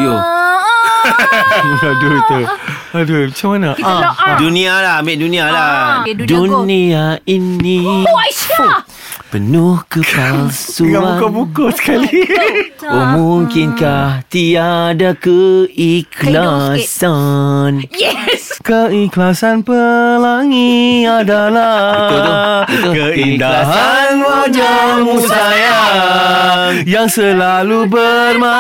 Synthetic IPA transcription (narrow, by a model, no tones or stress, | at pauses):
jo | adut̪u | adumat͡ʃamanaãdunĩalamɛʔdunĩaladuniaini | pənʊhkəpalsuaakabukosə̥kali | omuŋkɪnkaht̪iadakəiklasan | kəiklasanpəlaŋiadala | kəkəindaɦa | nwad͡ʒa | ŋmũsdaja | jaŋsəlalubə | rma